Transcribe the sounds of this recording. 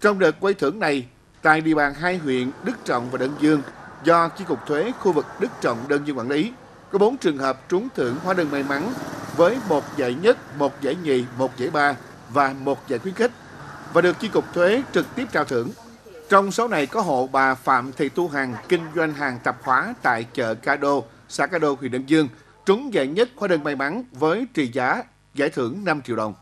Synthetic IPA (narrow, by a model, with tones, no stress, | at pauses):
t͡ɕɔ˧wŋ͡mɗəː˨˩t̚kwa˧jt̪ʰɨ˧˩əŋna˨˩j | t̪a̰ː˧˨jɗḭ˧˨ə˩ɓaː˨˩nɦaː˧jɦwḭ˧˨ənɗɨ˦˥k̚t͡ɕə̰˧˨wŋ͡mvaː˨˩ɗəː˧nzɨ˧əŋzɔ˧t͡ɕi˧kʊ˨˩k͡p̚t̪ʰwe˨˦xu˧vɨ˨˩k̚ɗɨ˦˥k̚t͡ɕɔ̰˧˨wŋ͡mɗəː˧nzɨ˧ŋkwaː˧˩˨li˨˦ | kɔ˨˦ɓo˨˦nt͡ɕɨ˨˩əŋɦəː˨˩p̚t͡ɕʊ˨˦ŋ͡mt̪ʰɨ˧˩əŋhwaː˨˦ɗəː˧˩ŋma˧jma˨˦nvəː˨˦jmo˨˩t̚za̰˧˨jɲə˦˥t̚mo˨˩t̚za̰ː˧˩jŋḭ˨˩mo˨˩t̚zə̰˧˩jɓaː˧ | vaː˨˩mo˨˩t̚za̰ː˧˩jkxwi˨˦nxï˦˥k̟̚ | vaː˨˩ɗɨ˨˩ək̚t͡ɕi˧kʊ˨˩k͡p̚t̪ʰwe˨˦t͡ɕɨ˨˩k̚t̪i˦˥əp̚t͡ɕaː˧˨wt̪ʰɨ̰˧˩əŋ | t͡ɕɔ˧wŋ͡msa˨˦wna˨˩jkɔ˨˦ɦo̰˧˨ɓaː˨˩fa̰ː˧˨mt̪ʰḭ˧˨t̪u˧ɦa˨˩ŋkï˧ŋ̟zwa˧jŋ̟ɦaː˨˩ŋt̪ə˨˩p̚xwaː˨˦t̪a̰ː˧˨jt͡ɕə̰ː˧˨kaː˧ɗo˧ | saː˧˥kaː˧ɗo˧ɦwḭ˧˩˨nɗə̰˧wŋ͡mzɨ˧əŋ | t͡ɕʊ˨˦ŋ͡mza̰ː˧˨jɲə˦˥t̚xwaː˨˦ɗɨ˧˩ŋma˨˩jma˨˦nvəː˨˦jt͡ɕḭ˧˨zaː˨˦ | za̰ː˧˩jt̪ʰɨ˧˩əŋna˧mt͡ɕi˧˨wɗə˨˩wŋ͡m